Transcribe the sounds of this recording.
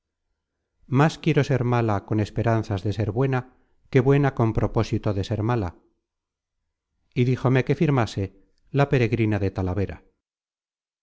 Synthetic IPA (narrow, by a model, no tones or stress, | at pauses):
maskje̞ɾo̞se̞ɾmalako̞ne̞spe̞ɾan̟θazðe̞se̞ɾβwe̞na | ke̞βwe̞nako̞mpɾo̞po̞sit̪o̞ðe̞se̞ɾmala | iðixo̞me̞ke̞fiɾmase̞ | lape̞ɾe̞ɣɾinaðet̪alaβe̞ɾa̰